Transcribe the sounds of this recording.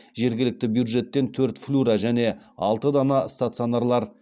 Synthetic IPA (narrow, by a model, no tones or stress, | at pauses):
ʒe̞ɾɡʲɪlɪk̚t̪ɪbjud̪ʐe̞t̪ːe̞nt̪ʰɵɾt̪flʲuɾaʒæne̞ | ɑlˠt̪əd̪ɑnɑst̪at̪sɨionaɾlˠɑɾ